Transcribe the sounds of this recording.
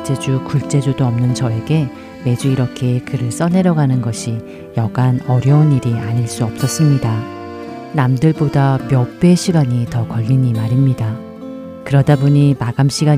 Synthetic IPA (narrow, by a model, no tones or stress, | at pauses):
t͡ɕ͈e̞d͡ʑukuɭt͡ɕ͈e̞d͡ʑudoʌmnɯnt͡ɕʌe̞ɡe̞ | me̞d͡ʑuiɾʌkʰe̞kɯɾɯɭs͈ʌnɦe̞ɾjʌɡanɯnɡʌɕʰi | jʌɡanʌɾjʌuniɾiaɲiɭs͈uʌp̚s͈ʌs͈ɯmɲida | namdɯɭbodamjʌp͈e̞ɕʰiɡaɲitʌkʌʎːiɲimaɾimɲida | kɯɾʌdaboɲimaɡamɕʰiɡa